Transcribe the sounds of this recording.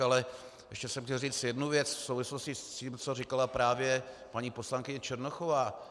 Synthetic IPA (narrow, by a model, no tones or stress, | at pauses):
alɛ | jɛʃcɛsɛmxcɛlriːt͡sjɛdnuvjɛt͡sfsowvɪsloscɪsciːmt͡so̞rɪkalapɾaːvjɛpaɲiːpo̞slaŋkɪɲɛt͡ʃɛɾnoxovaː